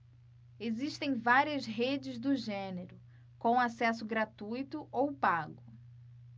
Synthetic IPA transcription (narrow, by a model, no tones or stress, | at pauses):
eziʃt̪ẽj̃vaɾiɐzɦed͡ʒɪzd̪ʊʒẽneɾʊ | kõw̃asɛsʊɡɾat̪ujt̪ʊʔowpaɡʊ